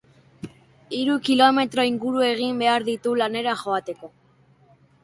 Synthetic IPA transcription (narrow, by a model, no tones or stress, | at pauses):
iɾukilo̞me̞t̪ɾo̞iŋɡuɾue̞ɣ̞imbe̞aɾðit̪ulane̞ɾaxo̞at̪e̞ko̞